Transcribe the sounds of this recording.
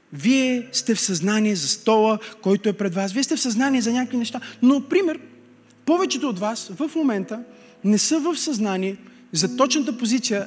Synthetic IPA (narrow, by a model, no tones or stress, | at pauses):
viɛst̪ɛfsɐznaniɛzɐst̪ɔlˠəkɔjt̪oɛpɾɛd̪vasviɛst̪ɛfsɐznaniɛzɐnʲakəkvinɛʃt̪anopɾimɛɾ | pɔvɛt͡ʃɛt̪oːt̪vasvəfmomɛnt̪ə | nɛsɤvəfsɐznaniɛ | zɐt̪ɔt͡ʃnət̪̬əpozit̪sijə